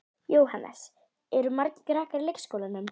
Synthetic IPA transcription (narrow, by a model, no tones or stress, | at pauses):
joːwɦanːɛ̰s | ɛɾʏmaɾci̥kɾaːhkaɾlejksːkowlanʏm